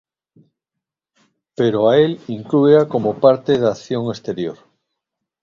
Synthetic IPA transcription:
peɾoaeliŋkluakomopaɾt̪eðaːθjoŋest̪eɾjoɾ

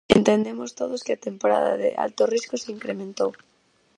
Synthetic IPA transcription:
ent̪end̪emost̪oðoskɪat̪empoɾa̰ða̰ðḛʔa̰lt̪oriskoseiŋkɾemẽnt̪ow

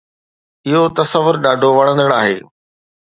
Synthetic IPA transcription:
ɪɦot̪ɐsɐʋʊɾɗaːɖʱoʋɐɽə̃nd̪əɽaːɦḛː

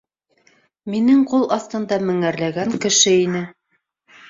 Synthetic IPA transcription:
minɘŋqulˠɑθt̪ɤ̆nd̪ɑmɘ̆ŋæɾlæɡæŋkɘ̆ʃɘinɘ

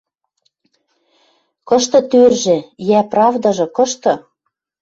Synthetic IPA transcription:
kɤ̆ʃt̪ɤ̆t̪ørʒĕjæprɑvd̪ɑʒɤ̆kɤ̆ʃt̪ɤ̆

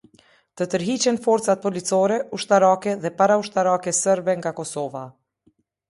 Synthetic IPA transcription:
t̪ət̪əɾɦit͡ɕɛnfɔɾt̪t͡sat̪̚pɔlit͡sɔɾɛuʃt̪aɾakɛðɛpaɾauʃt̪aɾakɛsəɾbɛŋɡakɔsɔva

